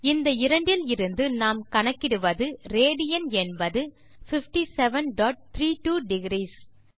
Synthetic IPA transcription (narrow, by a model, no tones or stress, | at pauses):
ɪnd̪ɐɪɾɐɳɖɪlɪɾɯnd̪ɯnaːmkɐɳɐkːɪɽɯʋɐðɯɾeːɽɪjɐnɛnbɐðɯ | fɪfʈisɛʋɐnɖɔːʈ̚t̪ʰɾiːʈuːɖɪɡɾiːs